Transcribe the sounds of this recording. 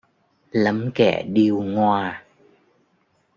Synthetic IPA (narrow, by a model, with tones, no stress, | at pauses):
lə˨˦mkɛ̰˧˩ɗi˧əwŋwaː˧